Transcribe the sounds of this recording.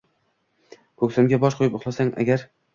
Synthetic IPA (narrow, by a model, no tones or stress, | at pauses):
kʰokʲsamɡʲabɒʃqʰojɪpʊχlˠasaŋʔa̰ɡʲaɾ